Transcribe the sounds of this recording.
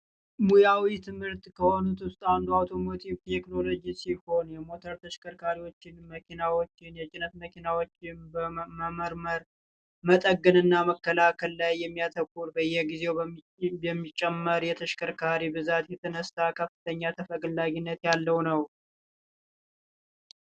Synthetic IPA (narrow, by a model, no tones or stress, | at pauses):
mujawit̪ʰɨmhɨɾt̪kʰəho̞nut̪wʊst̪ʼand̪uawt̪ʰo̞mo̞t̪ʰiβt̪ʰekno̞lo̞d͡ʒisiho̞njɛmo̞t̪ʰəɾt̪ʰəʃkəɾkʰaɾiwo̞t͡ʃːɪnməkʰinawot͡ʃːɪnjɛt͡ʃʼɪnət̪məkʰinawot͡ʃːɪnbəməməɾməɾ | mət̪ʼəɡɨnɨnːaməkːəlakʰəlːajːɛmːijat̪ʰəkːuɾbəɨjːɛɡize̞w | jɛmːit͡ʃʼːɛmːəɾjɛt̪ʰəʃkəɾkʰaɾibɨzat̪jɛt̪ʰənəst̪akʰəfːɨt̪ʰəɲːat̪ʰəfəɡlːaɡinːət̪jalːəwnəw